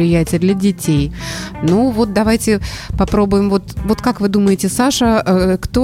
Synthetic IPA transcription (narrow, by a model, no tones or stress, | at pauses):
ɪjætʲɪjəd̪lʲɐdʲɪtʲejnuvo̞t̪̚d̪ɐvajtʲɪpɐpɾo̞bʊjɪmvo̞t̪vo̞t̪kakvɨd̪uməjɪtʲɪsaʂəkt̪o